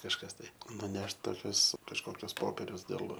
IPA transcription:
kɐʃˈkɐs tɐɪ nʊˈnʲɛʃt toːˈkʲʊs kɐʃˈkoːkʲʊs ˈpoːpʲɛrʲʊs dʲeːlˠ

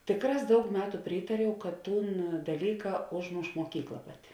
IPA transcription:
ˈtʲeːkˌrɑːs ˈdɐʊk ˈmʲæːtʊ ˈpʲrʲiːtɐrʲɛʊ kɐt ˈtuːn dɐˈlʲiːkɐ ˈoːʒˌmoːʃ moːˈkʲiːklˠɐ ˈpɑːˌtʲɪ

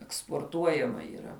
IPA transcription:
ɛkspoːrˈtuɔjɛmɐ iːˈrɐ

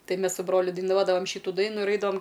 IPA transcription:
ˈtɐɪ ˈmʲɛs sʊ ˈbroːlʲʊ dɐɪˈnuɔdɐʋɐm ˈʃʲiːtʊ ˈdɐɪnʊ ɪr ˈɐɪdɐʋɐm

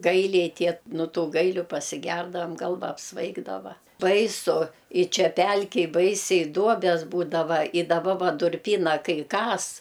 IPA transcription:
ˈɡɐɪlʲɛɪ ˈtʲiɛ noː ˈtuː ˈɡɐɪlʲʊ pɐsʲɪˈɡʲɛrdɐʋɐm ˈɡɐlˠʋɐ ɐpsˈʋɐɪɡdɐʋɐ bɐɪˈsʊ ɪ ˈt͡ʃʲɛ ˈpʲɛlʲkʲɛj ˈbɐɪsʲɛɪ ˈduɔbʲɛs ˈbuːdɐʋɐ ɪ dɐˈbɐ ˈʋɐ dʊrʲˈpʲiːnɐ ˈkɐɪ ˈkɐs

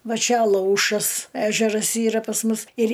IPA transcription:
ˈʋɐ ˈt͡ʃʲɛ ɐˈlˠɐʊʃɐs ˈæːʒʲɛrɐs ˈiːrɐ pɐs ˈmʊs ɪr

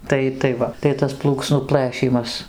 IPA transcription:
ˈtɐɪ tɐɪ ˈʋɐ tɐɪ ˈtɐs ˈplˠuːksnuː ˈplˠɘʃʲiːmɐs

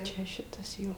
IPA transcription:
ˈt͡ʃʲɛ ˈʃʲɪtɐs ˈjoː

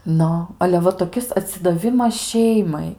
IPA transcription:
ˈnʊ ɐlʲɛ ˈʋɐ toːˈkʲɪs ɐtʲsʲɪdɐˈʋʲɪmɐs ˈʃʲɛɪmɐɪ

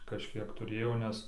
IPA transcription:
kɐʃʲˈkʲiɛk tʊˈrʲeːjoː nʲɛs

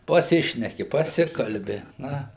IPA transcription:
pɐˈsʲɪʃʲnʲɛkʲɪ pɐˈsʲɪkɐlʲbʲɪ ˈnɐ

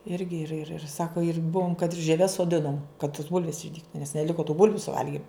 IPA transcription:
ˈɪrʲɡʲɪ ɪr ɪr ɪr ˈsɑːkoː ɪr ˈbʊʋoːm kɐt ɪr ʒʲiɛˈʋʲɛs soːˈdʲɪnoːm kɐt toːs ˈbʊlʲʋʲeːs ɪʒʲˈdʲiːktʊ nʲɛs nʲɛˈlʲɪkoː tuː ˈbʊlʲʋʲʊ sʊˈʋɐlʲɡʲɪm

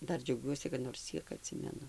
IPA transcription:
ˈdɐr d͡ʒʲɛʊˈɡʲuɔsʲɪ kɐt noːrs ˈt͡sʲiɛk ɐˈtʲsʲɪmʲɛnʊ

